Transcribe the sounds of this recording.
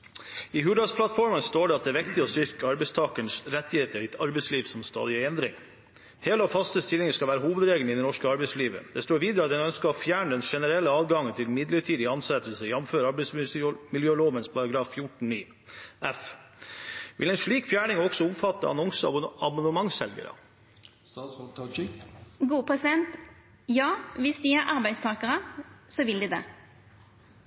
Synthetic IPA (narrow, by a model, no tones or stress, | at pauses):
ɪhʉːɖɑspʰlɑt̪fɔɾmənst̪oːɖɛɑt̪̚d̪ɛæʋɪkt̪ɪɔst̪ʏɾkəɑɾbɛɪst̪ʰɑːkənsɾɛt̪ːɪheːt̪əɾɪɑɾbɛɪsliːʋsɔmst̪ɑ̰ːd̪ɪəɛnd̪ɾɪ̰ŋ | heːləɔfɑst̪əst̪ɪlɪŋəskɑlʋæːɾəɦuːʋəd̪ɾeːɡlɪd̪ɛnɔʂkəɑɾbɛɪsliːʋə̰d̪̥ɛst̪oːɾʋiːd̪əɾəɑt̪̚d̪ɛnœnskəɾɔfjæːɳəd̪ɛnʂɛnəɾɛlːəɑːd̪ɡɑŋːənt̪ʰɪlmɪd̪ləʈʰiːd̪ɪɑnsɛt̪əl̩səjɛmføːɾɑɾbɛɪsmɪljøːloːʋənspʰɑɾɑɡɾɑːffjʊʈɳ̩niː | ɛf | ʋʔɪ̰lɛɪnʂɭiːkfjæːɳɪŋɔɡsɔʊmfɑt̪ːə̰ɑ̰nɔŋsəɑbɑnd̪əmɑŋsɛlɡə̰ɾə̰ | ɡuːpʰɛsɪd̪ɛnt̪ | jɑːʋɪsd̪iːæɾʔɑɾbæɪst̪ʰɑːkəɾəsɔʋɪld̪ɪːd̪ḛː